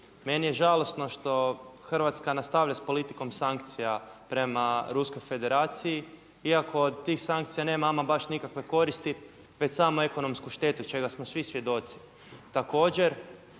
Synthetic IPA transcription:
me̞nijeʒalˠo̞sno̞ʃt̪o̞xr̩ʋat̪skanast̪aʋlʎaspo̞lit̪iko̞msaŋk̚t̪sijapɾe̞maɾusko̞jfe̞d̪e̞ɾaːt̪siji | iakʰo̞od̪̚t̪iːxsaŋk̚t̪sijane̞ːmamabaʃnikakʋe̞ko̞ɾist̪i | ʋet͡ɕsamoe̞ko̞no̞mskuʃt̪e̞t̪ut͡ʃe̞ɡasmosʋisʋje̞d̪o̞t̪si̥ | t̪ako̞ːd͡ʑe̞ɾ

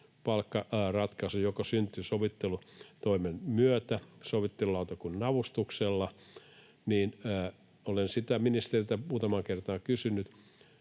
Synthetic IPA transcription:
pɑlkːɑrɑt̪kɑsujokɑsynt̪ysoʋit̪ːelut̪oimenmyøt̪æsoʋit̪ːelulɑut̪ɑkunnɑʋust̪ukselːɑ | niːnæ | olensit̪æminist̪erilt̪æmuːt̪ɑmɑːkert̪ɑːkysynːˑyt̪

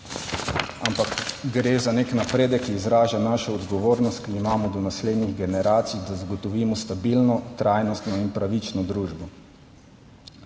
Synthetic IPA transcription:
ampakɡɾeːzaneknapɾeːd̪ɛkːiːzɾaːʒanaːʃɔɔd̪ɡɔʋoːɾnɔst̪kiːmaːmɔd̪ɔnasleːd̪niɣɡɛnɛɾaːt̪sijd̪azaɡɔt̪ɔʋiːmɔst̪abilnɔt̪ɾaːjnɔst̪nɔinpɾaʋit͡ʃnɔd̪ɾuːʒbɔ

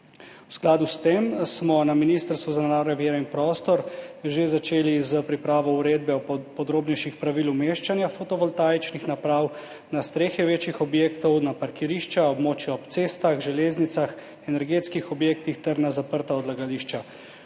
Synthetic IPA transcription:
wsklaːd̪ust̪emsmɔnaminiːst̪əɾst̪ʋuzanɛnaːɾnɔʋjeːɾɛinpɾɔːst̪ɔɾʒezat͡ʃeːlizəpɾipɾaːʋɔwɾeːd̪̚bɛɔpɔd̪ɾoːbnɛjʃixpɾaʋiːlumeːʃt͡ʃanjafot̪ɔʋɔlt̪aːjt͡ʃnixnapɾaːw | nast̪ɾeːxjɛʋeːt͡ʃjixɔbjeːkt̪ɔwnapaɾkiɾiːʃt͡ʃaɔbmoːt͡ʃjɔɔpt̪seːst̪aɣʒɛleːznit̪sax | ɛnɛɾɡeːt̪skixɔbjeːk̚t̪ixt̪ɛɾnazapəɾt̪aɔd̪laɡaliʃt͡ʃa

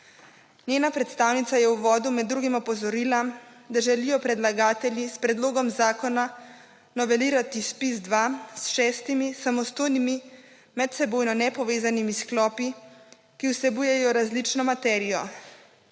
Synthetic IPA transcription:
njeːnapɾɛt̪st̪aːwnit̪sajɛwʋɔːd̪umɛd̪ːɾuɡimɔpɔzɔɾila | d̪aʒɛlijɔpɾɛd̪laɡaːt̪ɛljispɾɛd̪loːɡɔmzaːkɔna | nɔʋɛliːɾat̪ispis̬d̪ʋasʃɛst̪imisamɔst̪oːjnimi | mɛt̪sɛboːjnɔnɛpɔʋeːzanimisklɔːpi | kiwsɛbuːjɛjɔɾazlit͡ʃnɔmat̪ɛːɾijɔ

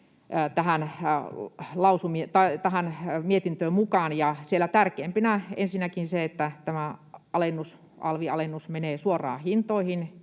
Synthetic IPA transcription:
t̪æhæn | lɑusumiet̪ɑt̪æhænmiet̪int̪øːmmukɑnjɑsielæt̪ærkeːmpinæḛnsinːækinseet̪ːæt̪æmæɑlenːus | ɑ̰lʋiɑ̰lenːusmeneːsuorˑɑ̰ːhint̪oihin

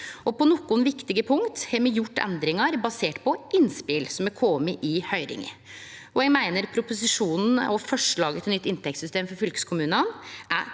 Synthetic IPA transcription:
ɔpɔnɔkːʊnʋɪkt̪ɪɡəpʰʊŋt̪hɛɾmɛjʊʈːɛ̰nd̪ɾɪŋɑɾbɑseːʈpʰɔʔɪnspɪlsɔmɛkʰɔməʔɪhœʏɾɪ̰ŋə̰ | ɔɛmæɪnəɾpʰɾʊpʊsɪʂuːnn̩ɔfɔʂɭɑːɡət̪ʰɪnʏt̪ːɪnt̪ɛkt̪sʏst̪eːmfɔɾfʏlkə̥skʰʊmʉːnɑnʔæ

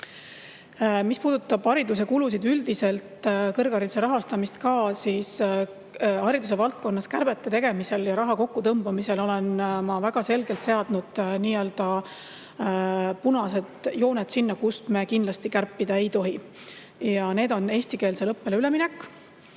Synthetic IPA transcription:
mispuːd̪ut̪ːˑɑb̥ɑɾid̪us̬e̞kulus̬id̪yld̪̥ise̞lt̪kɤrɡ̥ɑɾid̪seɾɑɦɑst̪ɑmist̪kɑːsiːs | ɑɾid̪us̬e̞vɑlt̪̚ko̞nːɑskærb̥e̞t̪ːˑet̪e̞ɡe̞mise̞ljɑɾɑɦɑko̞kːut̪ɤmb̥ɑmise̞lo̞le̞nmɑvæɡ̥ɑse̞lɡe̞lt̪se̞ɑd̪̥nud̪̥niːø̞ːld̪̥ɑ | punɑse̞d̪jo̞ːnet̪sinːɑkust̪me̞kind̪lɑst̪ikærpːid̪ɑe̞jt̪o̞ɦi | jɑne̞ːd̪o̞ne̞ːsʲt̪ike̞ːlse̞lɤpːe̞lyle̞minɛkː

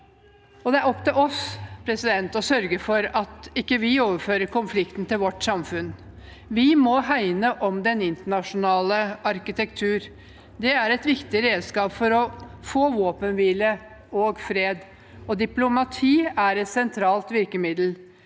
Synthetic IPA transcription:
ɔd̪ɛæɾɔpːt̪ɪlɔspʰɾɛsɪd̪ɛnt̪ɔsœɾɡəfɔɾɑt̪ɪkːəʋɪoːʋəɾføːɾəɾkʰʊnflɪkt̪n̩t̪ɪlʋɔʈːsɑmfʉn | ʋɪmɔɦæɪnəʔɔmd̪ɛnɪnt̪əɳɑʂʊnɑːləɑɾkɪt̪ɛkt̪ʰʉːɾ | d̪ɛæɾɛt̪ʋɪkt̪ɪɾeːd̪skɑːpfɔɾɔfoːʋoːpənʋiːlə | oːɡfɾeːd̪ | ɔd̪ɪplʊmɑt̪ʰiːæɾɛt̪sɛnt̪ʰɾɑːlt̪ʋɪɾkəmɪd̪l̩

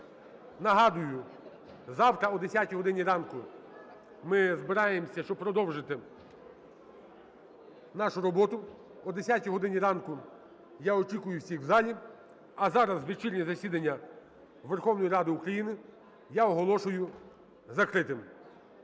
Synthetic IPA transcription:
nɐɦɑd̪ʊjʊ | zɑwt̪ɾɐɔd̪esʲjatʲiɦɔd̪ɪnʲiɾɑnkʊ | mɪzbɪɾɑjemsʲɐʃt͡ʃɔb̚pɾɔd̪ɔwʒɪt̪ɪ | nɑʃʊɾɔbɔt̪ʊ | ɔd̪esʲatʲijɦɔd̪ɪnʲiɾɑnkʊ | jaɔt͡ʃikʊjʊwsʲixwzɑlʲi | ɐzɑɾɐzʋet͡ʃilʲnʲizɐsʲid̪ɐnʲːɐ | ʋerxɔwnɔjiɾɑd̪ɪukɾɐjinɪ | jaɔɦɔlˠɔʃʊjʊ | zɐkɾɪt̪ɪm

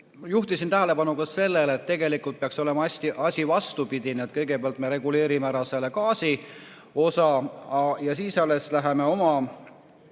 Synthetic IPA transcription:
juht̪isint̪æɦæle̞pɑnukɑse̞lːelːt̪t̪ːe̞ɡe̞likult̪̚peɑkso̞le̞mɑɑsʲt̪iʔɑsʲivɑst̪upid̪̥ineet̪̚kɤjɡ̥e̞peɑlt̪me̞ɾe̞ɡule̞ːɾimeæɾɑselːekɑːsi | o̞sɑɑjɑsiːsɑlːe̞slæɦeme̞o̞mɑ

